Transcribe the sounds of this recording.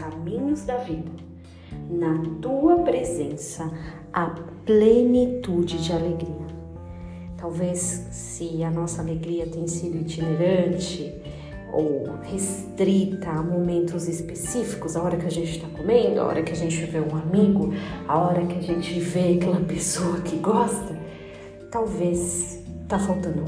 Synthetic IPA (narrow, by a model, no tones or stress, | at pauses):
kamĩɲʊzd̪ɐvid̪ɐ | nɐt̪uɐpɾezẽsɐ | ɐplenit̪ud͡ʒɪd͡ʒɪaleɡɾiɐ | t̪awvesː | ɪɐnɔsɐːleɡɾiɐt̪ẽj̃sid̪ʊit͡ʃineɾɐ̃nt͡ʃɪ | o̰whest̪ɾit̪ɐːmomẽnt̪ʊzɪspesifi̥kʊzaɔɾɐkɪaʒẽnt͡ʃɪ̥t̪akomẽnd̪ʊa̰ɔ̰ɾɐkɪɐʒẽnt͡ʃɪveũamiɡʊaɔɾɐkɪɐʒẽt͡ʃɪveakɛlɐpesoɐkʰɪɡɔst̪ɐ | t̪awves | t̪afawt̪ɐ̃nd̪ʊ